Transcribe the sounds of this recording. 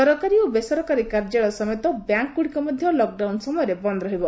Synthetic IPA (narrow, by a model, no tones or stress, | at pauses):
ɔɾɔkaɾiobesɔɾɔkaɾikaɾd͡ʒeɭɔsɔmet̪ɔbjaŋkːuɽikɔmɔd̪ʱjɔlɔk̚ɖawnsɔmɔjɔɾebɔnd̪ɾɔɦibɔ